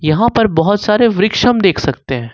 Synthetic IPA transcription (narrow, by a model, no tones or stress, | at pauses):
jɐɦãpɐɾbɐɦʊt̪saːɾeʋɾɪkʃəmd̪eːkʰsɐk̚t̪eɦɛ̃ː